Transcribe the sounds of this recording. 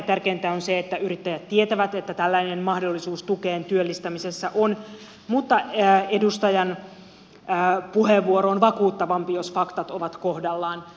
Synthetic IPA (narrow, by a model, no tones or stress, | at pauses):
t̪ærkeːnt̪æonseet̪ːæyɾit̪ːæjæt̪t̪ːie̞t̪æʋæt̪et̪ːæt̪ælːæinenmɑhdo̞lːisuːst̪uke̞ːnt̪yølːist̪æmise̞sːæʔon | mut̪ːɑe̞dust̪ɑjɑnː | puheʋːuoɾoonʋɑkuːt̪ːɑʋɑmpijo̞sfɑkt̪ɑt̪o̞ʋɑt̪ko̞hdɑlːɑːn